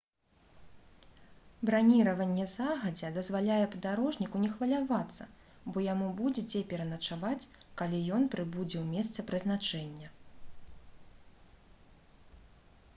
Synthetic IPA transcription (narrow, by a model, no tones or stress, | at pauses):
bɾanʲiɾɐvɐnʲːɛzaɣɐd͡zʲɛd̪ɐzvalʲajɛpɐd̪aɾɔʐnʲikunʲɛxvɐlʲavat̪sːɐ | bɔjamubud͡zʲɛd͡zʲɛpʲɛɾɐnɐt͡ʂavat͡sʲkalʲijɔnpɾɨbud͡zʲɛwmʲɛst̪sɐpɾɨznat͡ʂɛnʲːɐ